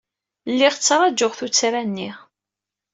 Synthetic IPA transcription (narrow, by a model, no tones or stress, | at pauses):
lːiʁt͡sːɾˤɑd͡ʒʊʁθut͡sːɾænːiʁ